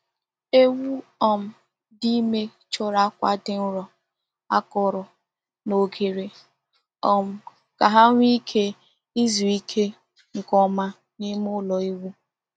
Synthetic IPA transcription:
e˦wu˦ɔ˨m̩˨ | di˦me˦ | t͡ʃɔ˦ɾa˦kʷa̰˦dɪ˦n̩˦ɾɔ˨ | a˦kɔ˨ɾɔ˨ | no˨ɡe˨ɾe˨ | ɔ˨m̩˨ | ka˨ɦa˦ŋʷ˦i˦kʰe˦ | i˦zu˨i˦kʰe˦ | ŋ̩˨kɔ˦ma˦ | ni˦mʊ˦lɔ˨i˦wu˦

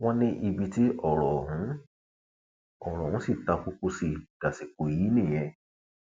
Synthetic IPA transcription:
w̃ɔ̃˦nĩ˦ʔi˧bi˧ti˦ʔɔ˦˨ɾɔ˨ɦũ˨˦ | ɔ˨ɾɔ˨ũ˨˦si˦˨ta˧ku˧˦ko˧si˨d̥a˨si˨ko˨ji˨˦nĩ˦˨j̃ɛ̃˧

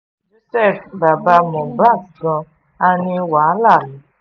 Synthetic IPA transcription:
d͡ʒo˦sɛ˦˨fba˨ba˧˦mɔ̃˨ba˦˨dɔ̃˧ | a˧nĩ˧wa˨a˦la˦˨lu˨˦

